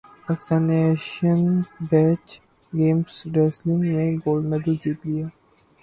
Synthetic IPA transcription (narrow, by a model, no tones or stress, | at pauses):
paːkɪst̪ãːnːeɛːʃənbɛːt͡ʃ | ɡeːmsɾɛslɪ̃ŋɡmẽɡoːlɖmɛd̪əld͡ʒiːt̪lijaː